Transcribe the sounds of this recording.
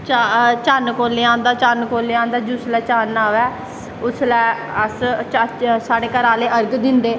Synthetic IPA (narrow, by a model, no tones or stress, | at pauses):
t͡ʃat͡ʃaːnkoːleːãːnd̪aːt͡ʃaːnkoːleːãːnd̪aːd͡ʒʊslɛːt͡ʃaːnaːʋɛː | ʊslɛː | əs | saːɽeːkəɾaːleːəɾɡd̪ɪnd̪eː